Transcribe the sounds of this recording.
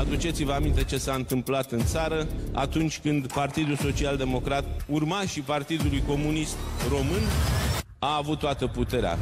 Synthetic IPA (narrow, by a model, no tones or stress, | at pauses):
ad̪ut͡ʃe̞t̪sivəamint̪e̞t͡ʃe̞saɨnt̪ɨmplat̪ɨnt̪saɾəa̰t̪unt͡ʃʲkɨnd̪part̪id̪ulso̞t͡ʃiald̪e̞mo̞kɾat̪̚urmaʃipart̪id̪ulujko̞munist̪ro̞mɨn | aːvut̪ːoat̪əput̪e̞ɾea̰